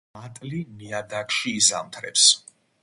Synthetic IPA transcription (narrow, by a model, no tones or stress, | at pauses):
at̪ʼlimiad̪akʼʃiːzamt̪ʰɾɛ̰ps